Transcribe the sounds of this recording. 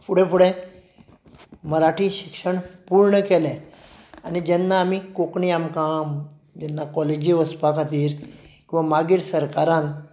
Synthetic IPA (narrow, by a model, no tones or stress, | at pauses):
pʰuɽɛ̃puɽẽ | məɾaʈʰiɕikʂəɳpuɾɳəkɛle | anid͡ʑɛnːaːmikokɳiamkam | d͡ʑɛnːakɔled͡ʑiʋəspakat̪iːɾkĩw̃ʋamaɡiːɾsəɾkaɾãn